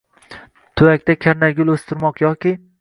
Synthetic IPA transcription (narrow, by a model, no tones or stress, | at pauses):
t̪ʰʊjak̚ʲt̪ʰakʲʰaɾnaɡʲʊlˠɵst̪ʰɪɾmɒqjɒkʲɪ